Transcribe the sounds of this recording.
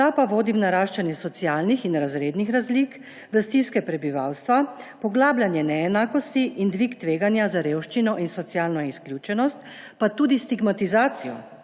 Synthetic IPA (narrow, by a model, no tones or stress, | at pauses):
t̪apaʋoːd̪imnaɾaːʃt͡ʃanjɛsɔt̪sjaːlnixinɾazɾeːd̪nixɾazlik | bəst̪iskɛpɾɛbiʋawst̪ʋapɔɡlaːblʲjanjɛnɛɛnaːkɔst̪iʔind̪ʋikt̪ʋeːɡanjazaɾewʃt͡ʃinɔʔinsɔt̪sjaːlnɔisklʲjut͡ʃɛnɔst̪ | pat̪uːd̪ist̪iɡmat̪izaːt̪sijɔ̰